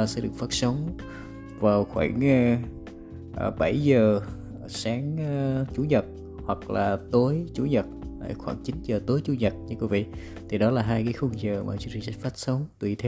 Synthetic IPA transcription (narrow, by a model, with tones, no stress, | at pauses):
sɛ̰˧˥ɗɨ˨˩ək̚faː˦˥t̚sə˨˦wŋ͡m | vaː˨˩wxwa̰ː˧˩ŋ˧ | ʔɓa˧˩jzəː˨˩ | saː˨˦ŋt͡ɕu˧˦ɲə˨˩t̚ | hwa˨˩k̚laː˨˩t̪o˨˦jt͡ɕu˧˩˦ɲə˨˩t̚a̰˧˩jxwaː˧˩ŋt͡ɕi˨˦nzəː˨˩t̪o˨˦jt͡ɕu˨˦ɲə˨˩t̚ɲɨ˧˥kwi˧˦vḭ˧˨ | t̪ʰi˨˩ɗɔ˨˦laː˨˩ɦaː˧jkaː˨˦jxu˧ŋzəː˨˩ma̰ː˨˩t͡ɕt͡ɕi˨˩zfaː˦˥t̚sə˨˦wŋ͡mt̪wi˨˩t̪ʰe˧w